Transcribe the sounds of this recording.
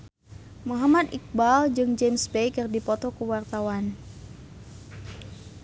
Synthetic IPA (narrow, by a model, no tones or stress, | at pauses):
muɦamad̪ik̚bald͡ʒɨŋd͡ʒemsbejkɨrdipɔt̪ɔkuwart̪awan